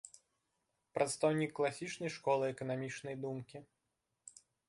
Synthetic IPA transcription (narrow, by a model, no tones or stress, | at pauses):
pɾɐt̪st̪ɔwnʲikːlˠasʲit͡ʂnɐjʂkɔlˠɨɛkɐnamʲit͡ʂnɐjd̪umkʲi